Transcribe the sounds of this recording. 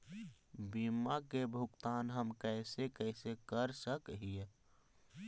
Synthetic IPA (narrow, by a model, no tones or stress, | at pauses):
bimakebʱʊɡt̪aːnɦəmkɛɪsekɛɪsekəɾsəkɦije